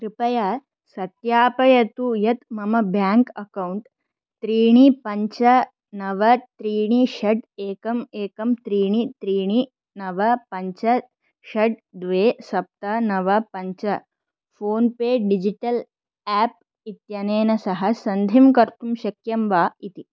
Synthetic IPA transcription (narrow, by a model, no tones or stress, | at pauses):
kɾipɐja | sɐt̪jaːpɐjɐt̪ujɐt̪mɐmɐbʱjaːŋkɐkɐuɳʈ | t̪ɾiːɳ̃ipɐɲt͡ʃɐ | nɐʋɐt̪ɾiːɳ̃iʃɐɖeːkɐmeːkɐmt̪ɾiːɳit̪ɾiːɳ̃i | nɐʋɐpɐɲt͡ʃɐ | ʃɐɖ̚d̪ʋeːsɐp̚t̪ɐnɐʋɐpɐɲt͡ʃɐ | foːnpeːɖid͡ʒiʈɐl | æːp̚ | it̪jɐneːnɐsɐɦɐsɐnd̪ʱimkɐɾt̪umʃɐkjɐmʋaːit̪i